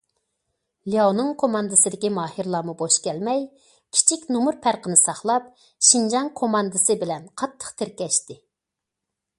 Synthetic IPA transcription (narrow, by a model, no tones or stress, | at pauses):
lijonʊŋkʰomɑnd̪ɨsɨd̪ɪkʲimɑːhiɾlˠɑːmuboʃkʲɛlmɛj | kʲʰi̥t͡ʃʰikʲnumuɾpʰæɾqənɨsɑχlˠɑp̚ | ʃind͡ʒɑŋkʰomɑnd̪ɨsɨbɪlɛnqʰɑt̪ʰːə̥χt̪ʰɪɾkʲɛʃt̪ɪ